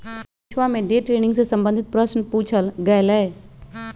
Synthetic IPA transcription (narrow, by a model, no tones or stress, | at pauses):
ɪt͡ʃʰʋamẽɖeːʈɾeːnɪ̃ŋɡsesə̃mbə̃nd̪ʱɪt̪̚pɾəsnpuːt͡ʃʰəlɡɐelɛe